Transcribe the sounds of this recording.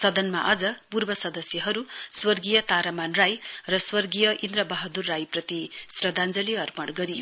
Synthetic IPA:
sʌd̪ʌnmaʔʌd͡zʌpurbʌsʌd̪ʌsjʌɦʌɾuswʌrɡijʌt̪aɾamanrajrʌswʌrɡijʌʔind̪rʌbʌɦʌd̪urːajprʌt̪isrʌd̪and͡zʌliʌrpʌɽɡʌɾio

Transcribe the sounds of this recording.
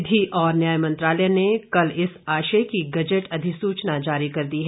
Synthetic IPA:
d̪ʱiʔɔːɾnjaːjmɐ̃nt̪ɾaːləjnekɐlɪsaːʃəkiɡɐd͡ʒəʈɐd̪ʱɪsuːt͡ʃnad͡ʒaːɾikɐɾd̪iɦɛ

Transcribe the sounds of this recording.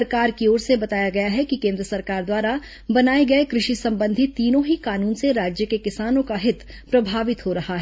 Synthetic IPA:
ɐɾkaːɾkioːɾsebɐt̪aːjaɡɐjaɦɛkikẽːnd̪ɾəsɐɾkaːɾd̪waːɾa | bɐnaːeɡɐekɾɪʃisɐ̃mbə̃nd̪ʱiiːnõɦikaːnuːnseɾaːd͡ʒjəkekɪsaːnõkaɦɪt̪ | pɾɐbʱaːʋɪt̪ɦoɾɐhaɦɛ

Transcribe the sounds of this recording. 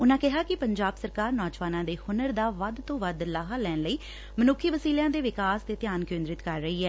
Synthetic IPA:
ʊnãːkɪɦaːkɪpəɲd͡ʒaːbsəɾkaːɾnɔːd͡ʒʋaːnãːd̪eːhʊnəɾd̪aːʋəd̪t̪õːʋəd̪laːɦaːlɛːnləiː | mənʊkʰːiːʋəsiːljãːd̪eːʋɪkaːst̪eːt̪ɪjaːnkẽːnd̪ɾɪt̪kəɾːəɦiːɦɛː

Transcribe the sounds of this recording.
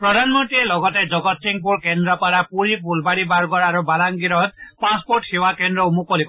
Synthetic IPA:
pɾɔd̪ʱanmɔnt̪ɾielɔɡɔt̪ed͡ʒɔɡɔt̪siŋpuɾkend̪ɾɔpaɾapuɾipulbaɽibaɾɡɔɾaɾubalaŋɡiɾɔt̪paspoɾʈhiwakend̪ɾɔumukɔlik

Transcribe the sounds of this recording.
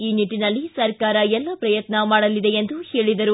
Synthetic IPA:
iːniʈːinɐlːisɐɾkaːɾɐɛlːɐpɾɐjɐt̪nɐmaːɽɐlːid̪e̞end̪uheːɭid̪ɐɾu

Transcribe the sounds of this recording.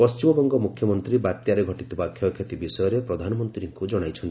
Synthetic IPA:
pɔst͡ʃimɔbɔŋɡɔmukʰjɔmɔnt̪ɾibat̪jaɾeɡʱɔʈit̪ibakʰjɔkʰet̪ibisɔjɔɾepɾɔd̪ʱanɔmɔnt̪ɾiɾiŋkud͡ʒɔɽ̃ajt͡ʃʰɔnt̪

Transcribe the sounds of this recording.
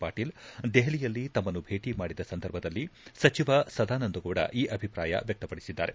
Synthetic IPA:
paːʈiːld̪ɛɦɐlijɐlːit̪ɐmːɐnːubʱe̞ːʈimaːɽid̪ɐsɐnd̪ʱɐɾbʱɐd̪ɐlːisɐt͡ʃiʋɐsɐd̪aːnɐnd̪uɡuːɽɐ̰ʔiːʔɐbʱipɾaːjɐ̰ʋjɐk̚t̪ɐpɐɽisid̪ːa̰ːɾe

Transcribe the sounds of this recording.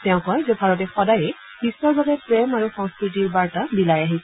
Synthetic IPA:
tɛʊ̃kɔjzobʱaɹɔt̬ɛxɔdajɛ | bisɔɹbabɛpɹɛmaɹuxɔ̃ŋskɹitiɹbaɹtabilajaɦis

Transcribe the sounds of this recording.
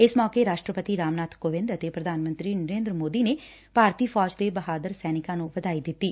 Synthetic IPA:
ɪsmɔːkeɾaːʃʈɾəpət̪iɾaːmnaːt̪koːʋɪ̃nd̪ət̪eːpɾəd̪ʱaːnmə̃nt̪ɾiːnəɾeːnd̪ɾəmoːd̪iːneː | paːɾt̪iːfʰɔːd͡ʒd̪eːbəɦaːd̪əɾsɛːnɪkãːnũːʋəd̪aːiːd̪ɪt̪ːiː

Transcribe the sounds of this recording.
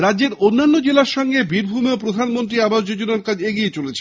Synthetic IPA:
ɾadd͡ʑeɾonːanːod͡ʑelaɾʃɔŋɡebiɾbʱumeopɾod̪ʱanmont̪ɾiabaʃd͡ʑod͡ʑonaɾkad͡ʑeɡijet͡ɕolet͡ɕʰe

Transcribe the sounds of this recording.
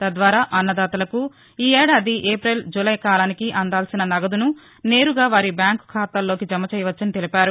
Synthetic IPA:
t̪ɐd̪ʋaːɾaːʔɐnːɐd̪aːt̪ɐlɐku | iːɛːɽaːd̪iʔeːpɾeld͡ʒulɐjkaːlaːnikiʔɐnd̪aːlsinɐnɐɡɐd̪unu | ne̞ːɾuɡaːʋaːɾibjaːŋkkʰaːt̪aːlːo̞ːkid͡ʒɐmːɐt͡ʃɛːjɐʋɐt͡ʃːɐnit̪elipaːɾu

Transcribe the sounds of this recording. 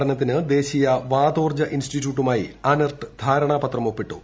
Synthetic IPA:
ɽɐnɐt̪̬ːinɨd̪e̞ːɕijɐʋaːd̪oːrd͡ʑɐʔinsʈitːjuːʈ̬ːumaːjḭɐnɐrʈd̪ʱaːɾɐɳaːpɐt̪rɐmopːiʈːu

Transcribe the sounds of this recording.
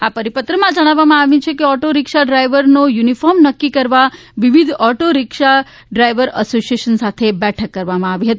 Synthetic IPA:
apəɾipət̪ɾəmãd͡ʒəɽ̃aʋːamãaʋĩt͡ʃʰekeɔʈoɾɪkʃaɖɾajʋəɾnojunifɔɾmnəkːikəɾʋa | ʋiʋid̪ʱɔʈoɾɪkʃa | ɖɾajʋəɾə̰sosieʃənsat̪ʰebɛʈʰəkːəɾʋamãaʋiɦət̪i

